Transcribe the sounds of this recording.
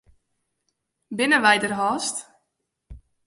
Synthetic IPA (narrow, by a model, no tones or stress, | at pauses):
bɪnəʋɛjdərɦɔːst